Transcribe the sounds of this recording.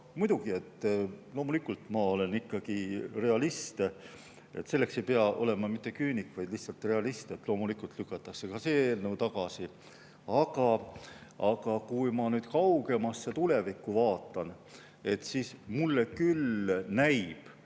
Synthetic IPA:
mujd̪̥uɡ̥ie̞t̪ːlo̞ːmulikːˑult̪mɑo̞le̞nikːɑɡ̥ire̞ɑlist̪ | e̞̰t̪ːse̞lːe̞kse̞jpeɑʔo̞le̞mɑmit̪ːe̞kyːnikːvɑjd̪̥lihsɑlt̪re̞ɑlist̪e̞t̪ːlo̞ːmulikːˑult̪lykːˑɑt̪ːˑɑkse̞kɑseeːlnəwt̪ɑɡɑsi | ɑɡɑ | ɑɡ̥ɑkujmɑnyːd̪kɑwɡe̞mɑsːet̪ule̞vikːˑuvɑːt̪ːˑɑn | e̞t̪siːsmulːekylnæjb̥

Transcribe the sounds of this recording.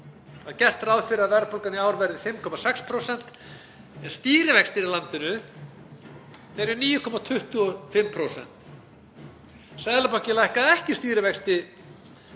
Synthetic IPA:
aðcɛr̥t̪ɾawðfɪɾɪaðvɛɾpʰolkanɪawɾvɛɾðɪfɪmkʰɔmasɛkspʰɾowsɛn̥t̪ | ɛnst̪iːɾɪvɛkst̪ɪɾilant̪ɪnʏ | ɛɾʏniːjʏkʰɔmat̪ʰʏht̪ʏɔfɪmːpʰɾowsɛ̰n̥t̪ | saðlapawhcɪlajhkaðɛhcɪst̪iːɾɪvɛkst̪ɪ

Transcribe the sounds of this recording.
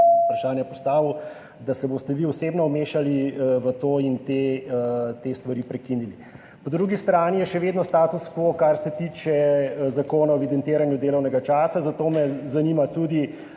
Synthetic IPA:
pɾaʃaːnjɛpɔst̪aːʋu | d̪asɛboːst̪ɛʋiːɔseːbnɔumeːʃaliʋət̪oːint̪e | t̪eːst̪ʋaɾipɾɛkinili | pɔd̪ɾuɡist̪ɾaːnijɛʃɛʋeːd̪nɔst̪aːt̪uskokaɾsɛt̪iːt͡ʃɛzakoːnaɔʋid̪ɛnt̪eːɾanjud̪eːlɔwnɛɡat͡ʃaːsazat̪oːmɛzanimat̪ud̪i

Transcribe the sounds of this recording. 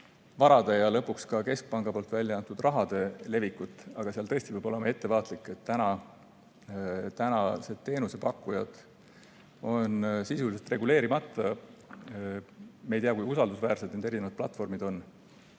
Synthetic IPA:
vɑɾɑd̪̥e̞jɑlɤpːukskɑke̞sk̚pɑŋɡ̥ɑpo̞ːlt̪vælʲjɑjɑnt̪ud̪̥rʔɑɦɑd̪̥e̞le̞vikut̪ːˑɑɡ̥ɑseɑlt̪ɤ̞e̞st̪ivɯjbo̞lemɑe̞t̪ːe̞vɑːt̪ˑlikːˑe̞t̪ːænɑ | t̪ænɑse̞t̪ːe̞ːnuse̞pɑkːˑujɑd̪̥ | o̞nsisuliselt̪re̞ɡule̞ːɾimɑt̪ːˑɑ | meejt̪ejɑkujusɑld̪usvæːrse̞d̪nend̪eɾinevɑd̪̥̚plɑt̪ːˑfo̞rmid̪o̞nː

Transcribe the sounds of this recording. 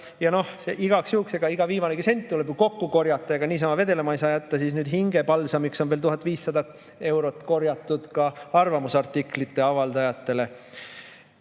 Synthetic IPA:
jɑno̞hseʔiɡ̥ɑksjuhukseɡ̥ɑiɡ̥ɑviːmɑneɡisent̪t̪ule̞b̥juko̞kːuko̞rjɑt̪ːˑɑjɑɡ̥ɑniːs̬ɑmɑve̞d̪̥e̞lemɑɑjsɑːjæt̪ːɑsiːsnyːd̪̥ɦiŋɡ̥e̞pɑlsɑmikso̞nvelt̪uɦɑt̪ːˑviːsːɑd̪ɑ | e̞wɾo̞t̪ːˑko̞rjɑt̪ːˑud̪̥kɑɑrvɑmusɑrt̪ːˑikˑlit̪ˑːe̞ɑvɑld̪ɑjɑt̪ːˑe̞le̞

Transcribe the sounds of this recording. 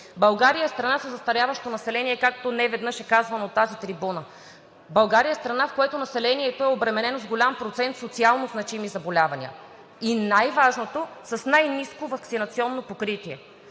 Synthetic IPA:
bɐlˠɡaɾijəɛst̪ɾɐnasəzɐst̪ɐɾʲjavɐʃt̪onɐsɛlɛniɛkak̚t̪onɛvɛd̪nɤʃɛkazvɐnɐot̪ːazit̪ɾibunə | bɐlˠɡaɾijəst̪ɾɐnafkoɛt̪onɐsɛlɛniɛt̪oɛobɾɛmɛnɛnozɡolʲampɾot̪sɛnt̪sot̪sialˠnoznɐt͡ʃimizɐbolʲavɐnḭə̰ | inajvaʒnot̪osɐsnajniskovɐksinɐt̪siɔnːopokɾit̪iɛ

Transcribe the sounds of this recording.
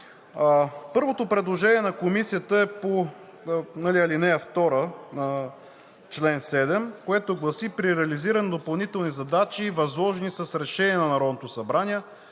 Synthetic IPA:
pɤɾvot̪opɾɛd̪lˠoʒɛniɛnɐkomisijət̪əɛpo | nɐliɐlinɛɐft̪ɔɾənə | t͡ʃlɛnsɛd̪ɛmkoɛt̪oɡlˠɐsipɾiɾɛɐliziɾɐnod̪opɐlˠnit̪ɛlˠnizɐd̪at͡ʃivɐzlˠɔʒɛnisəsɾɛʃɛniɛnɐnɐɾɔd̪not̪osɐbɾanʲiɛ

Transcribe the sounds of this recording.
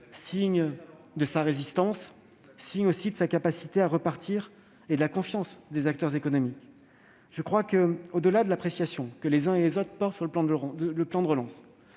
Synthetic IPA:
siɲ | d̪əsaʁezist̪ɑ̃sː | iɲosid̪əsakapasi̥t̪eaʁəpaʁt̪ʰiʁ | ed̪əlakɔ̃fjɑ̃sd̪ezak̚t̪œʁzekɔnɔmik | ʒ̥əkχwakəod̪əlad̪əlapχesjasjɔ̃kəlezɛ̃elezot̪χəpɔʁt̪syʁləlɑ̃ələplɑ̃d̪əʁəlɑ̃s

